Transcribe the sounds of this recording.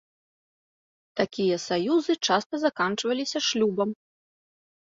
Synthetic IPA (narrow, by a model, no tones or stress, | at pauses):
t̪akʲijɐsajuzɨt͡ʂast̪ɐzakant͡ʂvɐlʲisʲɐʂlʲubɐm